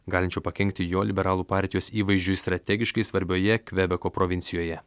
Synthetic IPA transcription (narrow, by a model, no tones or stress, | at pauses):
ɡɑːlʲɪnʲt͡ʃʲɛʊpɐkʲɛŋʲk̚t̪ʲɪjoːlʲɪbʲɛɾɑːlˠuːpɑːˑɾʲt̪ʲɪjoːsiːʋɐɪʒʲd͡ʒʲʊɪst̪ɾɐt̪ʲɛɡʲɪʃkɐɪsʋɐɾʲbʲoːjɛkʲʋʲɛbʲɛkoːpɾoːʋʲɪnʲsʲɪjoːjɛ